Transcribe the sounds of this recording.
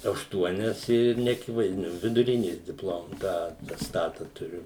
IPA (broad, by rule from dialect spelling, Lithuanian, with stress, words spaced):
ɐʃˈtuɔnʲɛs ɪr nʲɛɐˈkʲɪʋɐɪzʲdʲɪnʲʊ ʋʲɪdʊˈrʲɪnʲeːs dʲɪpˈlˠoːm ˈtɑː ɐtʲɛsˈtɑːtɐ tʊˈrʲʊ